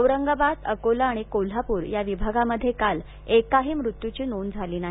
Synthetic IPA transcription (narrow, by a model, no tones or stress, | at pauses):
əwɾəŋɡabad̪əkolaːɽ̃ikol̤apuːɾjaʋibʱaɡaməd̪ʱːjekal | ekaɦiːmɾut̪jut͡ɕiːnond͡zʱaliːnaɦ